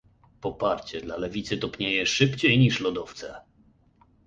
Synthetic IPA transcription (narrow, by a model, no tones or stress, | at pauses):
pɔpaɾt͡ɕɛd̪lalɛvʲit̪sɨt̪ɔpɲejɛʂɘpt͡ɕejɲiʂlɔd̪ɔft̪sɛ